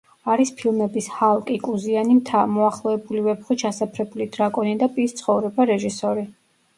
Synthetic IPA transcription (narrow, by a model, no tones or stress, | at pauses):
aɾispʰilˠmɛbishalˠkʼikʼuzianimt̪ʰamɔaχlˠɔɛbulivɛpχit͡ʃʰasapʰɾɛbulid̪ɾakʼɔnid̪apʼist̪sʰχɔvɾɛbaɾɛʒisɔɾi